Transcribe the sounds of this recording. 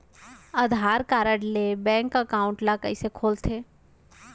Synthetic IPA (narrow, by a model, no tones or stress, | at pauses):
ɐd̪ʱaːɾkaːɾəɽlebɛ̃ːŋkəkaːʊ̃ɳʈlakəɪsekʰoːlt̪ʰeː